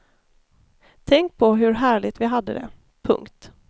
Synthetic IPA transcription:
t̪ʰɛŋk̚pʰɔɦɵɾɦæːɭɪt̪vɪɦad̪ːəd̪ɛ̰ | pʰɵ̰ŋkt̪

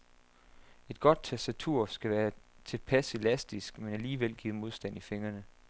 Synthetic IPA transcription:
e̝d̥̚ɡ̥ɒ̽d̥̚t͡sʰæsd̥æt͡sʰuɐ̰sɡ̥æʋæːɐt͡sʰe̝lpʰæselæsd̥isɡ̥menæliːʋel̰ɡ̥ḭːð̩ˠmo̝ð̞ˠsd̥ænife̝ŋɐnə

